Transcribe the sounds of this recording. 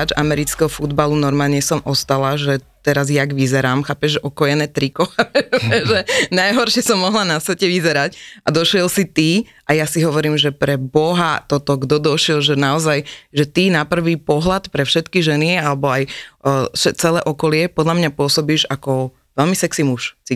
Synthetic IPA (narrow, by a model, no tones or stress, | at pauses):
ad͡ʒa̰mɛɾit͡skɛɦɔfud̪balunɔɾmaːlɲɛsɔmʔɔst̪alaʒɛt̪ɛɾazjaɡʋizɛɾaːmxaːpɛʒʒɛʔɔkɔjɛnɛːt̪ɾikɔaɛɛʒɛnajɦɔɾʃɪɛsɔmːɔɦlanasʋɛcɛʋizɛɾacʔad̪ɔʃɪɛlsit̪iʔajasiɦɔʋɔɾiːmʒɛpɾɛbɔɦat̪ɔt̪ɔɡd̪ɔd̪ɔʃɪɛlʒɛnaɔzajʒɛt̪inapr̩ʋiːpɔɦlat̪pɾɛfʃɛt̪kiʒɛnialɛbɔaj | ʃɛt͡sɛlɛːʔɔkɔlɪɛpɔd̪ʎamɲapʊɔsɔbiːʒakɔ | ʋɛlmisɛksimuʃt͡si